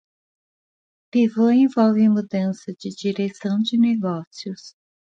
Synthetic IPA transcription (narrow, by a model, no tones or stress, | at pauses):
pivɐ̃ẽvɔwvɪmud̪ɐ̃sɐd͡ʒɪd͡ʒiɾesɐ̃w̃d͡ʒɪneɡɔsiʊs